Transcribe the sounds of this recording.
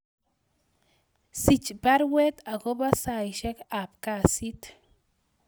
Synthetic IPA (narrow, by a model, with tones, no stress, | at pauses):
si˨t͡ʃba˦ɾwe˦t̪a˨ɡo˦ba˦sa˨jʃe˦ka˨pka˦si˦t̪